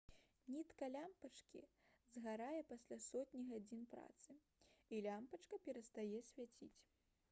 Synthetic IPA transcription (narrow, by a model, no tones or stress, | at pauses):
nʲit̪kɐlʲampɐt͡ʂkʲḭzɣaɾajɛpasʲlʲasɔt̪ʲnʲiɣad͡zʲinpɾa̰t̪sɨ | ilʲampɐt͡ʂkɐpʲɛɾɐst̪ajɛsʲvʲat͡sʲḭt͡sʲ